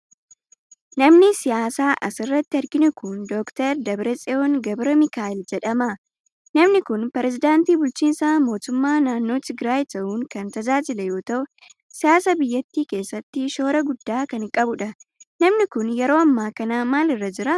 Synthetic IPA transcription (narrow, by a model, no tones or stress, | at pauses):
nɐmnɪsɪjaːsaːʔɐ̰sɪrːɐt̪ːɪɐɾɡɪnʊkʊnd̪oːkt̪ɐɾd̪ɐbɾɛsʼɛonɡɐbɾɐmɪkaːɪld͡ʒɛᶑɐmɐ | nɐmnɪkʊnpɛɾɛzɪd̪aːnt̪iːbʊlt͡ʃiːnsaːmo̞ːt̪ʊmːaːnaːnːo̞ːt̪ɪɡɾaːjɪt̪ɐʔuːŋkɐnt̪ɐd͡ʒaːd͡ʒɪlɛjo̞ːt̪ɐʔʊ | sɪjaːsɐbɪjːɐt̪ːiːke̞ːsːɐt̪ːɪʃo̞ːɾɐɡʊd̪ːaːkɐnɪkʼɐbʊᶑɐnɐmnɪkʊnjɛɾo̞ːɐmːaːkɐnaːmaːlɪrːɐd͡ʒɪɾɐ